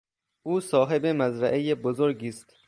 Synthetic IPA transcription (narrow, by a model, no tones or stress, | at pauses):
ʔuːsɒːɦe̞bemæzɾæʔejebozoɾɡiːst̪